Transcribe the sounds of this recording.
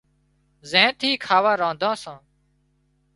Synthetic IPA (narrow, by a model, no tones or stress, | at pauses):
zẽːt̪ʰiːkʰaːʋãːɾãːnd̪ʱãːsãː